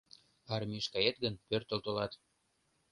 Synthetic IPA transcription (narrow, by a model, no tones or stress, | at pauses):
ɑrmiʃkɑjet̪̚ɡənpørt̪ə̆lt̪olɑt̪